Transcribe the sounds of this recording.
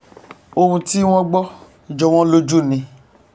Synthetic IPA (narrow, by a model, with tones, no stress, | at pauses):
o˧hũ˧ti˦w̃ɔ̃˦ɡ͡bɔ˦ | i˨d͡ʒɔ˨w̃ɔ̃˦lo˦d͡ʒu˦˨nĩ˨˧